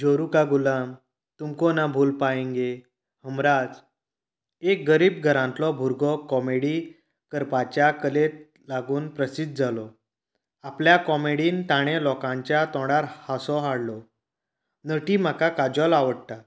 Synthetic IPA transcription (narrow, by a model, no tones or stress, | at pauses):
d͡ʑoɾukaɡulam | t̪umkɔnabʱulpaẽŋɡe | həmɾad͡z | ek̚ɡəɾiːbɡʱəɾãnt̪lɔbʱuɾɡʱɔkɔmeɽi | kəɾpat͡ɕjakəlet̪̚ | laɡuːnpɾəsid̪̚d͡zʱalɔ | apljakɔmeɽiːnt̪aɽ̃elɔkãɲt͡ɕjat̪ɔ̃ɽaɾhasɔɦaɽlɔ | nəʈiːm̤akakad͡ʑɔlaʋəɽt̪a